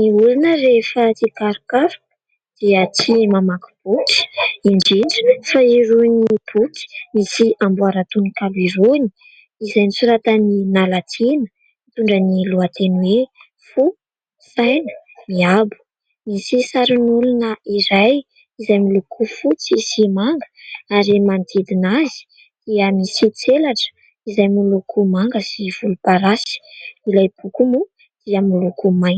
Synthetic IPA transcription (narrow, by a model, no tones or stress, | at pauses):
niulunərefət͡sikaɾukaɾuk | d̪̥iət͡simamaku̥b̥uki̥iɳd͡ʒiɳɖ͡ʐu̥faiɾunib̥uki̥misiambuaɾat̪unikaluiɾuni̥ | izajmisuɾat̪əninalat̪ʰinə̥ | mit̪uɳɖ͡ʐəniluat̪enwe | fu | sajnə̥miabu̥ | misisaɾinulunəiɾaj | izajmilukʰufut͡sisimaŋɡə̥aɾimant̪ʰid̪inazi̥ | d̪̥iəmisit͡selaʈ͡ʂə̥ | izajmilukʰumaŋɡəsiv̥ulupaɾasi̥ilajb̥ukumu | d̪̥iəmilukumajn